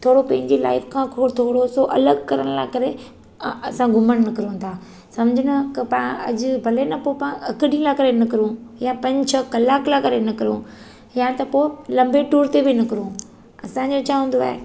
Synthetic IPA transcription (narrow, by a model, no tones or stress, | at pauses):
t̪ʰoːɽopɐ̃ɦɪ̃ɲd͡ʑila̰ːɪfkʰãkʰot̪ʰoːɽosoʔɐ̰ləɡkɐɾəɽ̃laːkɐɾe | ɐsãɡʱʊməɽ̃nɐkɪɾõnt̪ʰaː | sɐ̃md͡ʑʱɪnɐkɐpãɐ̰d͡ʑʊbʱɐlenɐpopãːɐkɪɗĩlakɐɾenɐkɪɾũjapɐ̃ɲt͡ɕʰəkɐlaːklakɐɾenɐkɐɾṵ̃ | jat̪ɐpoːlɐ̃mbʱeʈuːɾt̪ebɪnɐkɪɾũ | ɐsãɲd͡ʑot͡ɕʰaːɦũːn̆d̪oa̰ːɦḛ